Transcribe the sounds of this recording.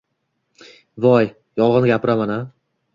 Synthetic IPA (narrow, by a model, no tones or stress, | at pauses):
vɒj | jɒlˠʁɒnɡʲapʰɪɾamana